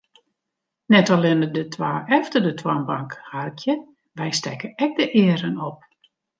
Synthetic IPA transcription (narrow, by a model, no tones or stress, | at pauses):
nɛtɔlɪnədətʰwaːɛftərdətʰwanbaŋkharkʰjə | ʋɛjstɛ̰kəɛk̚dəʔɪːəɾənɔp̚